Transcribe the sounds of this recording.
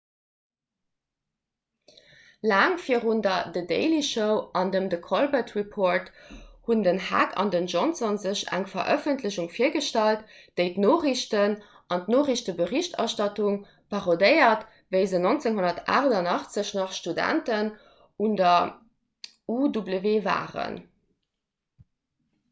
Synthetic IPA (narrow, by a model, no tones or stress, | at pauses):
laːŋfiəʁundɐdədḛɪliʃəʊɑndəmdəkʰolbətʁipʰoːɹthundənhæ̰kʰɑ̰ndənʒonsonzəɕæ̰ŋfɐʔœfəntləɕuŋfiːɐɡəʃtælt | d̥əɪtnoːχiɕtən | ʔɑntnoːʁiɕtəbəʁiɕtʰɑ̰ʃtɑtuŋ | pʰɑʁodəɪɐt | vəɪzənont͡seŋɦonɐtʰa̰ːʁdɐnɑχt͡səɕnɑχʃtudæ̰ntən | undɐ | udubləveːva̰ːʁə̰n